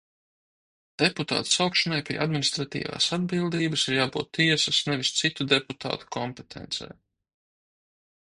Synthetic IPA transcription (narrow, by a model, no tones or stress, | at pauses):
d̪̥eput̪a̰ːt̪sawkʃɔnajpʲḭɛʔad̪minʲist̪ɾat̪ḭːva̰ːsad̪̚bilˠd̪iːbasiɾjaːbṵːt̪ːiɛsasnɛʋist̪sit̪ud̪eput̪ʰa̰ːt̪u̥kʰɔmpet̪ʰɛ̰nt̪sɛ̰j